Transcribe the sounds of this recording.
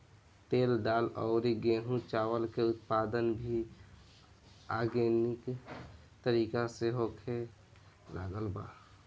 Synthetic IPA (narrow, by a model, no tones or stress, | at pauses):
t̪eːlɖaːlɔːɾiɡẽːɦũt͡ʃaːwəlkeʊt̪̚paːd̪ənbʱi | aːɡenɪk | t̪əɾiːkaseɦoːkʰe | la̰ːɡəlba̰ː